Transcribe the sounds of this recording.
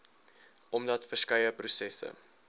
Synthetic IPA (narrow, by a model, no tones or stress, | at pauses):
ʔɔmdɐtfərskɐjəprusɛsə̰